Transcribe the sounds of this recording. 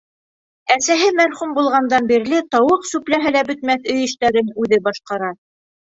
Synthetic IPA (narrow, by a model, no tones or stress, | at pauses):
æsæɦɘmæɾχumbulˠʁɑnd̪ɑnbiɾlɘt̪ɑwɤqsʉplæɦɘlæbɵ̆t̪mæθɵ̆jɘ̆ʃt̪æɾɘnʉðɘbɑʃqɑɾɑ